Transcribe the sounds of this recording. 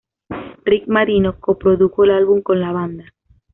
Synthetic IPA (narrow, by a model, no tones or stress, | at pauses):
rik̚maɾinokopɾoðuxoelalβuŋkonlaβ̞and̪a